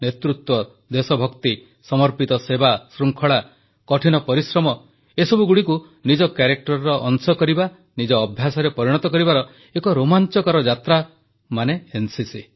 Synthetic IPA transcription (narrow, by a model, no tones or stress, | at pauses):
net̪ɾut̪wɔ | d̪esɔbʱɔkt̪i | sɔmɔɾpit̪ɔsebasɾuŋkʰɔɭa | kɔʈʰinɔpɔɾisɾɔmɔ | esɔbuɡuɽiku | nid͡ʒɔkjaɾek̚ʈɔɾːɔʔɔŋsɔkɔɾiba | nid͡ʒɔːbʱjasɔɾepɔɾiɽ̃ɔt̪ɔkɔɾibaɾɔ | ekɔɾomant͡ʃɔkɔɾɔd͡ʒat̪ɾa | maneensisi